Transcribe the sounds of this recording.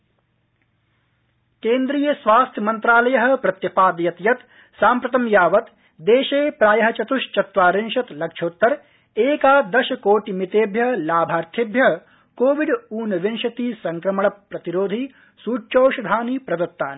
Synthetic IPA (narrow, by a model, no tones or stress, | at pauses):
keːnd̪ɾiːjɐsʋaːst̪ʰjɐmɐnt̪ɾaːlɐjɐɦɐ̆pɾɐt̪jɐpaːd̪jɐt̪jɐt̪ | saːmpɾɐt̪ɐmjaːʋɐt̪ | d̪eːʃeːpɾaːjɐɦɐt͡ʃɐt̪uʃt͡ʃɐt̪ʋaːɾɪnʃɐt̪lɐkʃʰoːt̪ːɐɾ | eːkaːd̪ɐʃɐkoːʈimit̪eːbʱjɐlaːbʱaːɾt̪ʰibʱjɐɦ | koːʋiɖuːnɐʋinʃɐt̪iːsɐŋkɾɐmɐɳɐpːɾɐt̪iɾoːd̪ʱi | suːt͡ʃoːʃɐd̪ʱaːnipɾɐd̪ɐt̪ːaːni